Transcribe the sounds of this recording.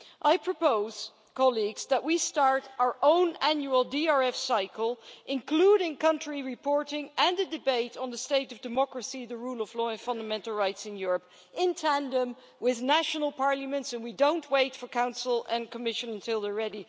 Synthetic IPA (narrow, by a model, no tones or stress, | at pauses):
ʔaɪpʰɹ̥əpoʊz̥ | kʰɑlˠiɡz̥ðəʔ̚wistɑɹɾaʊə˞ʔõʊ̃næ̃njuəl̩ˠdiɑɹɛfsaɪkəl̩ˠʔɪ̃nkʰl̥uɾɪ̃ŋkʰʌ̃ntɹ̥iɹɨpʰɔɹɾɪ̃ŋɨ̃nðɨdɨbeɪɾn̩ðəsteɪɾʌvdɨmɑkɹɨsiðəɹulˠʌvlɔɨ̃nfʌ̃ndəmɛ̃ntˡl̩ˠɹaɪtsɨ̃njʊɹəp | ɪ̃ntʰæ̃ndə̃m | wɪðnæʃnl̩ˠpʰɑɹləmɨ̃ntsɨ̃nwidõʊ̃nʔweɪtfə˞kʰãʊ̃nsl̩ˠɨ̃nkʰəmɪʃɨ̃nə̃ntʰɪlˠðə˞ɹɛɾi